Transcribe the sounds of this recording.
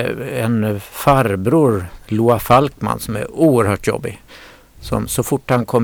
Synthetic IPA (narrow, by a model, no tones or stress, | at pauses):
ɛnfaɾbɾuːɾluːafalkma̰nːsɔmæ̰ɾuːəɾhœːʈjɔ̰bːɪ | sɔ̰msɔfʊʈːhankʰɔ